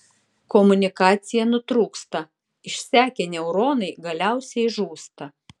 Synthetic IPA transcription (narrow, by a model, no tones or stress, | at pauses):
kɔmʊnʲɪkɑːt̪sʲɪjɛnʊt̪ɾuːkst̪ɐ | ɪʃʲsʲæːkʲenʲɛʊɾoːnɐɪɡɐlʲæˑʊsʲɛɪʒuːst̪ɐ